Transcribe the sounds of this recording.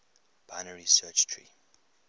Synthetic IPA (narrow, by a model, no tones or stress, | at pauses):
b̥aɪnəɹisɜt͡ʃtʰɹḭ